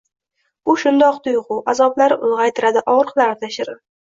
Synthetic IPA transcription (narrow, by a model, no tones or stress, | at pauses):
ʊʃʊnd̪ɒqt̪ʰʊjʁʊazɒblaɾɪʔʊlˠʁɑjt̪ʰɪɾad̪ɪʔɒʁɾɨqlaɾɪt̪ʰaʃɪɾɪ